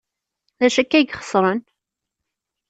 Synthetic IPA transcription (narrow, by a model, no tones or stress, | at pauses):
ðæʃækːæjəɡχə̥sˤɾˤən